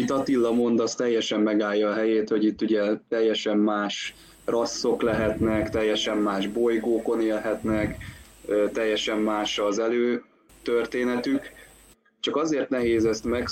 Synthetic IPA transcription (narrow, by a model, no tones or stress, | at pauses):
it̪ɒt̪ilːɒmo̞nd̪ɒst̪ɛjːɛʃɛmːɛɡaːjːɒːɦɛjeːt̪ho̞ɟit̪ːuɟɛt̪ɛjːɛʃɛmːaːʃ | rʔɒsːo̞klɛɦɛt̪nɛkt̪ɛjːɛʃɛmːaːʒbo̞jɡoːko̞neːlɦɛt̪nɛkː | t̪ɛjːɛʃɛmːaːʃɒzɛløː | t̪ørt̪eːnɛt̪yk | t͡ʃɒkɒzeːrt̪nɛɦeːzɛst̪mɛk